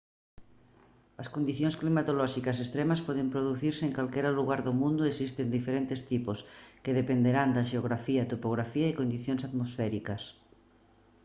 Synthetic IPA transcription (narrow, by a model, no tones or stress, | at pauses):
ɐskond̪iθjõnsklimat̪olɔʃikɐs̬est̪ɾemɐspɔðempɾoðuθiɾseeŋkalkɛɾaluɣaɾðomũnd̪ʊesist̪end̪ifeɾent̪est̪iposkeðepend̪eɾand̪ɐʃeoɣɾafiɐt̪opoɣɾafiɐekond̪iθjoŋsaðmosfɛɾikɐs